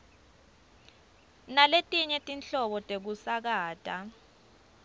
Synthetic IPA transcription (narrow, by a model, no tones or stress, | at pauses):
naletʼiɲɛtʼinɬɔɓɔtʼek̬usak̬aːtʼa